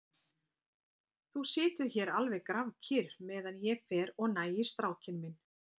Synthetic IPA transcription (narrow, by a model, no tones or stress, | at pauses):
θusɪːt̪ʏçɛɾalvɛɣkɾavcʰɪɾmɛːðanjɛfɛːɾɔɣnaːjɪst̪ɾaːwcʰɪnmɪn